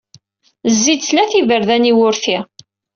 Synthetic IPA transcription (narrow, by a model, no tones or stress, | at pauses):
zːid̪θlæθivəɾðæniwʊɾθi